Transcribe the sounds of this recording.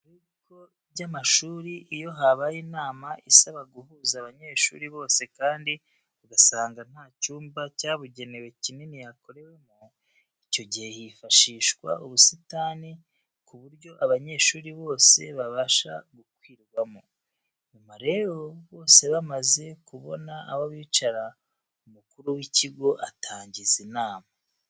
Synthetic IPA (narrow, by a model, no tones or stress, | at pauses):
ɾiβikʰo̞ | ɟamaʃuːɾiʔijo̞ɦaβajiːnaːmaʔisaβaɡuhuːzaːβaɲe̞ːʃṵːɾiβo̞ːse̞kaːndi | βuɡasaːŋɡan̥haːcuːmbacaːβuɟe̞ne̞we̞cinenijako̞ɾe̞we̞mu | ico̞ɟihe̞jifaʃiːʃkwa̰ʔuβusitaːni | kuβuɾɟo̞ʔaβaɲe̞ːʃuːɾiβo̞ːse̞̰βaβaːʃa̰ɡukwiːɾɡwamo | ɲumaɾe̞ɾo̞βo̞ːse̞βamaze̞kuβo̞naʔːβoβiːt͡ʃaɾa | umukuɾuwiciɡo̞ʔatʰaːɲɟizinaːma